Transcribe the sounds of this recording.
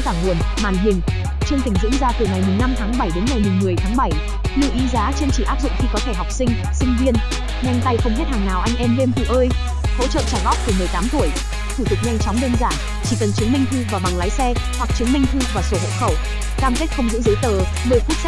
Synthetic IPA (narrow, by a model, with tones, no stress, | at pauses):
zaː˧˩ŋu˨˩ən | maː˨˩nɦï˨˩ŋ̟ | t͡ɕɨ˧əŋt̪ï˧˩ŋ̟zɨ̰˧˥ənzaː˧t̪ɨ˨˩ŋa˨˩jm˨˩ŋna˧mt̪ʰaː˨˦ŋɓa˧˩jɗe˨˦nŋa˨˩jmɨ˨˩ŋmɨ˨˩əjt̪ʰaː˨˦ŋɓa˧˩j | lɨ̰˧ʔi˨˦zaː˨˦t͡ɕe˧nt͡ɕi˧˩ʔaː˦˥p̚zʊ̰˧˨ŋ͡mxi˧kɔ˨˦t̪ʰe˧˩ɦa˨˩wk͡p̚si˧ŋ̟ | sï˧ŋ̟vi˧ən | ɲa˧jŋ̟t̪a˧jxə˧wŋ͡mhe˦˥t̚haː˨˩ŋnaː˨˩wʔa˧jŋ̟ʔɛ˧mle˧mt̪ʰḭ˧˩ʔəː˧j | ho̰˧˥t͡ɕə̰ː˧˨t͡ɕaː˧˩ɣɔ˦˥k͡p̚t̪ɨ˨˩mɨ˨˩əjt̪aː˨˦mt̪u˧˩əj | t̪ʰu˧˩t̪ɨ˨˩k̚ɲa˧jŋ̟t͡ɕɔ˨˦wŋ͡mɗəː˧nzaː˧˩n | t͡ɕi˧˩kə˨˩nt͡ɕɨ˨˦əŋmi˧ŋ̟t̪ʰɨ˧vaː˨˩ɓa˨˩ŋlaː˨˦jsɛ˧ | hwa˨˩k̚t͡ɕɨ˨˦ŋmï˧ŋ̟t̪ʰɨ˧vaː˨˩so˧˩ho̰˧˥xə˧˩w | kaː˧mke˦˥t̚xə˧wŋ͡mzɨ̰˧˥ŋzə˨˦jt̪əː˨˩ | mɨ˨˧˩jfu˦˥t̚